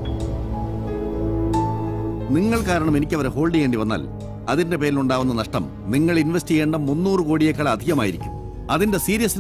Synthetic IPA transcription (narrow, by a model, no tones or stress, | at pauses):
niŋːɐɭkaːɾɐɳɐme̞nikʲːɐʋɐɾeɦo̞ːɭɖiʋe̞ːɳɖiʋɐnːa̰ːl | ɐðinde̞pe̞ːɾiluɳɖaːʋunːɐnɐʂʈɐ̰m | niŋːɐɭinʋɐstiɣe̞ːɳɖɐmːunːuːrɨkoːɽijekːɐɭɐd̪ʱiɣɐmaːjiɾikʲːum | ɐðinde̞siːɾijɐsin